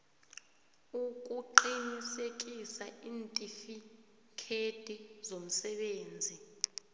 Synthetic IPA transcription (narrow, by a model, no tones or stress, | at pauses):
ukʼuǃinisek̬ʼisaiːntʼifi | kʰed̥ʱizom̩sɛɓeːnd͡zʱi